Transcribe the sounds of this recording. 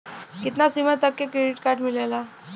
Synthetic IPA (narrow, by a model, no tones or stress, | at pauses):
kit̪nasimət̪akːekɾeɖiʈkaɾʈmilela